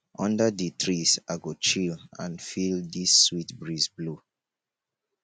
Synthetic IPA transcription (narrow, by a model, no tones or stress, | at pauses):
ʔɔ̃ndəditʰɹisaɡot͡ʃilã̰nfildisːwitbɹizblu